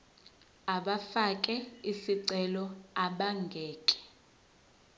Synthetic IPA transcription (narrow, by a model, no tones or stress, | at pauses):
aɓafakʼɛisiǀɛlɔaɓaŋɡʱɛːkʼɛ̥